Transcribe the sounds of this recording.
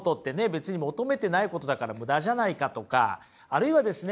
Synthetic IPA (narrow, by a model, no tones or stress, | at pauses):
t̪o̞t̪ːe̞ne̞be̞t͡sɨɲ̟imo̞t̪o̞me̞t̪e̞naiko̞t̪o̞d̪akaɾamɯ̟d̪aʑanaikat̪o̞ka̰ | aɾɯ̟iβad̪e̞sɨn